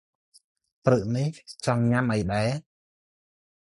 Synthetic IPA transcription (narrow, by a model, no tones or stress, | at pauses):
prɨʔniht͡ɕɑŋɲamʔajɗaɛ